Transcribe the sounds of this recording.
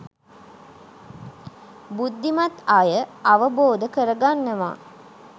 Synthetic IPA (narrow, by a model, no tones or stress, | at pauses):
bud̪ːimat̪ajəaʋəboːd̪əkəɾəɡanːəʋa̰ː